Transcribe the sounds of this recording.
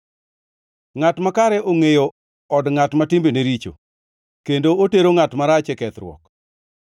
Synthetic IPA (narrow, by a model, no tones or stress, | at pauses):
ŋatmakaɾɛʔoŋejo | ɔdŋatmatɪmbeneɾit͡ʃo̰ | kendooteɾoŋatmaɾat͡ʃɛkɛt̪ɾwɔ̰k